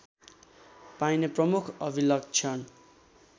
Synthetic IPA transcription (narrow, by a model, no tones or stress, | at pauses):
pajneprʌmukʰʌbʱilʌɡ̚t͡sʰʌn